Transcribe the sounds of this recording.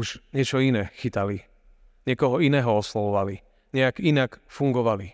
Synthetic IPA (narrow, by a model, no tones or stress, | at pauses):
uʒɲɛt͡ʃɔinɛːxit̪ali | ɲɛkɔɦɔinɛːɦɔɔslɔʋɔʋali | ɲɛakinakfuŋɡɔʋali